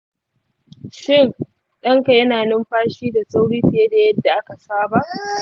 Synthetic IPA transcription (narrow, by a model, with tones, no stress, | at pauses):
ʃɪ˦˨ŋ | ɗɐ˦ŋka˨jɐ˦naː˨nɪ˦mɸaː˦ʃiː˦da˨sʼa˦wɽiː˦ɸɪ˨je˦da˨jɐ˦dːa˨ʔa˦ka˨saː˦ba˦˨ʔ